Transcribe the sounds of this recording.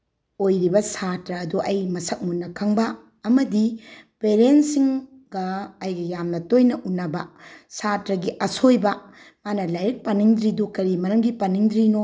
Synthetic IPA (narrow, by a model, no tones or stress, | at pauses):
ojɾibɐsatɾɐːduʔɐjmɐsɐk̚munːɐkʰɐŋbɐ | ɐmɐdipeɾensiŋ | ɡɐɐjɡɐjamnɐtojnɐʔunːɐbɐsatɾɐɡiʔɐsojbɐ | manɐlɐjɾik̚pɐniŋdɾidukɐɾimɐɾɐmɡipɐniŋdɾino